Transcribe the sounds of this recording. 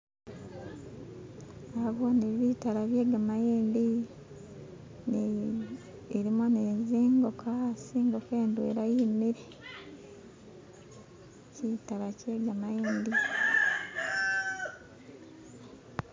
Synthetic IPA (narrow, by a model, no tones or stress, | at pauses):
aβoniβitalaβjeːɡamajiːndi | ni | eɾimoneziːŋɡokʰasiːŋɡo̞ke̞ːndwḛɾajimiɾe | citalace̞ːɡamajiːndi